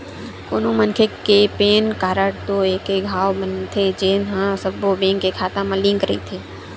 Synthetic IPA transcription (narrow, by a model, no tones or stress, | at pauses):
koːnõmɐnkʰekepeːnkaːɾəɽt̪oeːkeɡʱaːʋbənt̪ʰed͡ʒeːnɦãsəbobẽːŋkekʰaːt̪ãmɐ̃lɪ̃ŋkɾɐḭt̪ʰeː